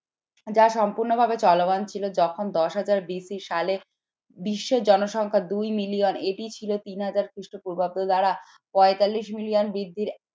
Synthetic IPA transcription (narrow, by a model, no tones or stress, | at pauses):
d͡ʑaʃɔmpuɾnobʱabet͡ɕɔloɡant͡ɕʰilod͡ʑɔkʰond̪ɔʃɦad͡ʑaɾbisiʃale | biʃːed͡ʑɔnoʃɔŋkʰad̪ujmilioneʈit͡ɕʰilot̪inɦad͡ʑaɾkɾiʃʈopuɾbab̚d̪od̪aɾa | pɔet̪alːiʃmilionbɾid̪ʱːiɾ